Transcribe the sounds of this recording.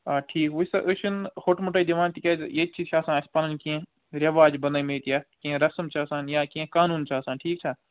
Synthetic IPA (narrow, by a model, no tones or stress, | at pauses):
aːʈʰiːkʋʊsɐʔʊt͡ʃʰɪnxoʈmʊʈɐid̪iʋaːnt̪ikʲɐjet͡ʃʰit͡ʃʰaːsãːɪspaːlɐnkiẽ | ɾɐʋaːd͡ʒbɐnaimeːt̪jaːkiẽɾɐsəmt͡ʃʰaːsãːnjaːkiẽkaːnuːnt͡ʃʰaːsãːnʈʰiːk̚t͡ʃʰaː